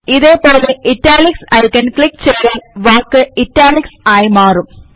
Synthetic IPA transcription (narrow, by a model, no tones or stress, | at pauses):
ɪðeːpoːleʔɪʈːaːlɪksɐɪkːɐnklɪkːt͡ʃɛjɾɐlʋaːkːɨɪʈːaːlɪksaːjmaːrɯm